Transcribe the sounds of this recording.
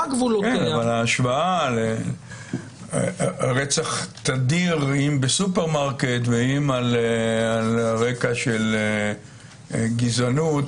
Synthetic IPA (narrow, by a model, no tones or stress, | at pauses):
ɡvulukenavalaːʃvaale | ʁet͡saχt̪ad̪iʁimbesupeʁmaʁket̪veimalalʁe̞kaʃe̞le | ɡizanut